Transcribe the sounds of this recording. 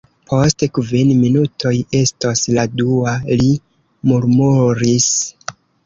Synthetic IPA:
pʰo̞stkvinminutʰo̞je̞stosladuali | muɾmuɾis

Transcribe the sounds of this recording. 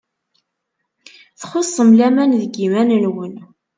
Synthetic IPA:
θχosˤːəmlæmænðəɡimænənwən

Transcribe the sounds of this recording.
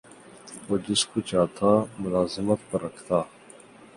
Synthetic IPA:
oːd͡ʒɪskot͡ʃaːt̪ʰaːmʊlaːzɪmət̪pɐɾːɐkʰt̪aː

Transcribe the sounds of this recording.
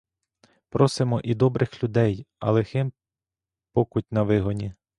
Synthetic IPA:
pɾɔsɪmɔʔid̪ɔbɾʔɪxlʲʊd̪ɛjɐ̰lˠexɪm | pɔkʊt̚ʲnɐʋɪɦɔnʲi

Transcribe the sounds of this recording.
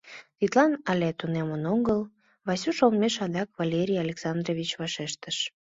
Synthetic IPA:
t̪it̪lɑnɑlʲet̪unemənoŋɡəl | βɑsuʃommeʃɑd̪ɑkβalʲeɾʲijɑlʲeksɑnd̪roβʲit͡ɕβɑʃeʃt̪əʃ

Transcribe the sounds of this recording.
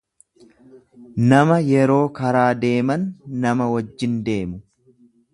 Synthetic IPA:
nɐmɐjɛɾo̞ːkɐɾaːd̪e̞ːmɐnːɐmɐwɐd͡ʒːɪnd̪e̞ːmʊ

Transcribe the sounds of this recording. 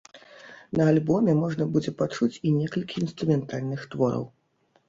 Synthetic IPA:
nɐalʲbɔmʲɛmɔʐnɐbud͡zʲɛpat͡ʂut͡sʲinʲɛkɐlʲkʲiːnst̪ɾumʲɛnt̪alʲnɨxt̪vɔɾɐ̰w

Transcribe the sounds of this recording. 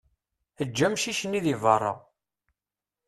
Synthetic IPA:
əd͡ʒːæmʃiʃənːiðivɑrˤːɑ̰

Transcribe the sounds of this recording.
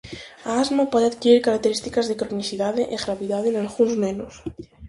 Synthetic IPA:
aazmapɔðeaðkiɾiɾkaɾak̚t̪eɾist̪ikazðekɾonisiðaðeʔeɣɾaβiðaðenalɣunzmenos

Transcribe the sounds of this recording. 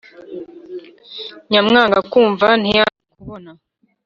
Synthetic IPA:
ɲamŋaːŋɡakuːɱvan̥ijaikuβona

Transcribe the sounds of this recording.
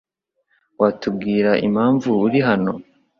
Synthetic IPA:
watub̚ɡiːɾaʔḭmaːɱvuːɾiɦano̞

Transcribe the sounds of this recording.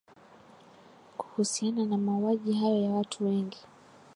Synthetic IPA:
ku̥husiananamauaʄiɦajɔjawatʰuwɛŋɡi

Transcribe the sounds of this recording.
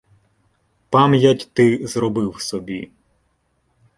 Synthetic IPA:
pɑmjɐtʲt̪ɪzrɔbɪwsɔbʲḭ

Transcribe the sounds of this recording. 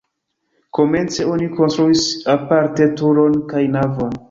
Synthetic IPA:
ko̞me̞nt͡se̞o̞niko̞nstɾuisapaɾte̞tuɾo̞nkajnavo̞n

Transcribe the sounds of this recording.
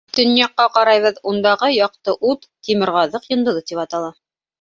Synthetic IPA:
t̪ɵ̆nijɑqːɑqɑɾɑjβɤðund̪ɑʁɤjɑq̚t̪ɤʔut̪t̪imɘ̆ɾʁɑðɤqjŏnd̪ɤ̆ðɤt̪ipɑt̪ɑlˠɑ

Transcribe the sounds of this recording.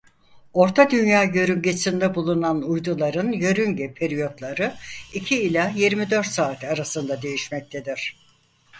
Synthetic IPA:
o̞ɾt̪ʰad̪ynjaːɟø̞ɾyɲɟesind̪ɛbulˠunanujd̪ulˠaɾɯnjø̞ɾyɲɟɛpʰeɾijo̞t̪lˠaɾɯicʰiːlʲajiɾmid̪ø̞ɾt̪saːt̪ʰaɾasɯnd̪ad̪e̞jiʃmɛc̚t̪ʰed̪iɾ̥

